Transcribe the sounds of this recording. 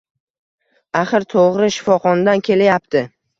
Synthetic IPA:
aχɨɾt̪ʰoʁɾɪʃɪ̥fɒχɒnad̪ankʲʰe̞lajap̚t̪ʰɪ

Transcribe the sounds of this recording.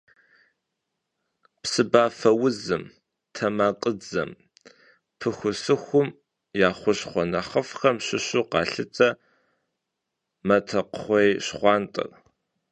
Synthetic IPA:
psɨbaːfɐwʊzɨm | tʰɐmaːqʼəd͡zɐ̰m | pʰɨxʷʊsɨxʷʊm | jaːχʷʊɕχʷɔnɐχɐfxɐmɕɪɕʊqɑːɬɨt͡sʼɐ | mɐtʰɐqχʷejɕχʷɑːntʼɐ̰r

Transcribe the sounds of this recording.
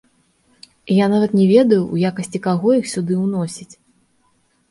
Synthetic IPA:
janavɐt̪nʲɛvʲɛd̪ɐjuwjakɐsʲt͡sʲikaɣɔixsʲud̪ɨwnɔsʲit͡sʲ

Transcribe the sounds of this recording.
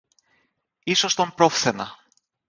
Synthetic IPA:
iso̞st̪o̞mpɾo̞fθenɐ̰

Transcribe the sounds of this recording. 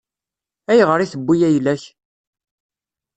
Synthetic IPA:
æjʁəɾiθəbːijæjlæç

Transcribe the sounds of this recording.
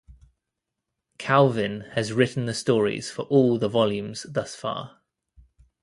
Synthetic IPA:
kʰalˠvɪ̃nəzɹɪʔn̩ðəstɔːɹḭz̥fəɹʔɔːlˠðəvɒljʉ̃mz̥ðʌsfɑ̰ː

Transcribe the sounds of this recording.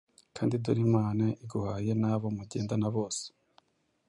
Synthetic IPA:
kʰaːndiduɾimaːnaʔiɡuhaːje̞naːβo̞muɟe̞ːndanaβo̞ːse̥

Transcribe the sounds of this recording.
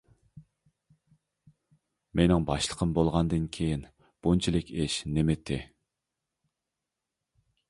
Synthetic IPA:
menɪŋbɑʃlˠə̥qʰəmbolˠʁɑnd̪ɨnkʲʰejin | b̥unt͡ʃʰilɪkʲeʃnemɪt̪ʰːɪ

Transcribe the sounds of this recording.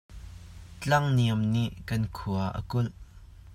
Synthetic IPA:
t͡ɬɐŋniɐmniʔkɐnkʰuɐʔə̰kʊlʔ

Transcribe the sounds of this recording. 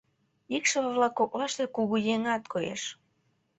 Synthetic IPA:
ikʃəβə̆βlɑkːok̚lɑʃt̪ekuɣujeŋɑt̪kʰojḛʃ

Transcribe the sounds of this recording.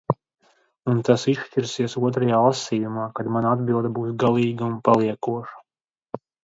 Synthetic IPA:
unt̪asiʃtʲiɾsiɛsuɔt̪̬ɾajaːlˠasiːjumaːkad̪manaad̪̚bilˠd̪abuːsɡalˠiːɡaunpalˠiɛkuɔʃḁ

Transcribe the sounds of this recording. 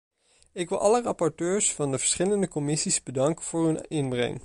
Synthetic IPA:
ɪkʋɪlˠʔɑlərɑpɔɹtøːɹsfɑndəvəɹsχɪləndəkɔmɪsizbədɑŋkəv̥ʊːɹɦɵnɪnbrɛ̰ŋ

